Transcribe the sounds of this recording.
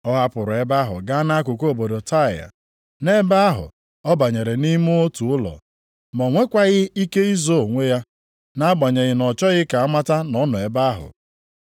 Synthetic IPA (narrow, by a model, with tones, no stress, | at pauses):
ɔ˦ɦa˦pʊ˨ɾʊ˨e˦ba˦ɦʊ̰˨ɡa˦na˦a˦kʷʊ˨ko˦o˨bo˨do˨ta˦˨ja̰˨ | ne˦ba˦a˦ɦʊ̰˨ | ɔ˦ba˨ɲe˨ɾe˨ni˦mu˦o˦tu˨ʊ˦lɔ̰˨ | mɔ˨ŋʷe˦kʷa˦ɣɪ˦i˦ke˦i˦zo˦˨ŋʷe˦ja˦ | na˦a˦ba˨ɲe˨ɣɪ˨nɔ˨t͡ʃɔ˦ɣɪ˦ka˨a˦ma˦ta˦nɔ˦nʊ˨e˨ba˦a˦ɦʊ̰˨